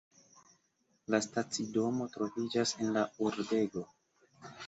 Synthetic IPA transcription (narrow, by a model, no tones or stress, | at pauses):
lastat͡sido̞mo̞tɾo̞vid͡ʒase̞nlauɾde̞ɡo̞